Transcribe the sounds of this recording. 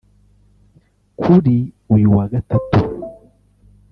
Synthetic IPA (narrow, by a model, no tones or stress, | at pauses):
kʰuɾi | ujuwaɡatatu